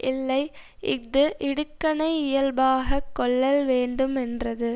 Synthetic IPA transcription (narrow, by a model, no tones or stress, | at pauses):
ʔɪlːɐɪʔɪðɯʔɪɽɯkːɐnɐɪɪjɐlbaːɣɐkːɔɭːɐlʋeːɳɖɯmɛndrɐðɯ